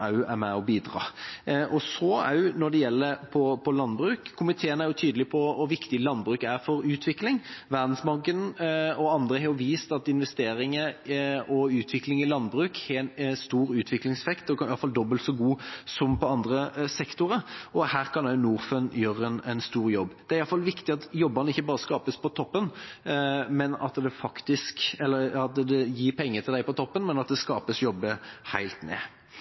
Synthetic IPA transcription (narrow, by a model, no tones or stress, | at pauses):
ɑʉæɾmɛɔbiːd̪ʁɑ̰ːʔɔsɔæ̰ɑjʊnɔɖ̪ɛjɛlːəɾpʰɔpʰɔlɑnbɾʉːkʰːʊmɪt̪ʰeːənæɾjʊt̪ʰyːd̪əlɪpʰɔʋɑʋɪkt̪ɪlɑnːbʁʉːkæɾfɔɾʉːt̪ʰʋɪklɪŋʋæʁd̪n̩smɑɡənɔɑnd̪ʁəhɛjʊʋiːst̪ɑt̪ɪnʋɛst̪eːɾɪŋəɔʉːt̪ʰʋɪklɪŋɪlɑnːbɾʉːkhɛɛnst̪uːɾʉːt̪ʰʋɪklɪŋsɛfɛkt̪ɔkɑɪɑlfɑld̪ɔbəlt̪sɔɡuːsɔmpɔɑnd̪ʁəsɛkt̪ʊɾəɔhæːʁkʰɑnɑʊnuːʁfənjøːɾəɛnɛnst̪uːʁjɔbːd̪̥ɛæɾɪɑlfɑlʋɪkt̪ɪɑt̪jɔbːənəɪçːəbɑːɾəskɑːpəspʰɔt̪ʰɔpːən | mɛnɑ̰t̪d̪ɛfɑkt̪ɪskɛlːəɑt̪d̪ɛjiːpʰɛŋːət̪ʰɪld̪æɪpɔt̪ʰɔpːənmɛnɑt̪̚d̪ɛskɑːpəsjɔbːəhæɪlt̪nḛː